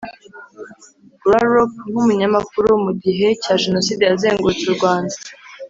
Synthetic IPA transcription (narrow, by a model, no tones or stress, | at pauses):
ɡwaɾop̚ŋ̥humuɲamakuɾumuɟiɦe̞caːʒe̞no̞sidejaze̞ːŋɡut͡suuɾɡwaːndḁ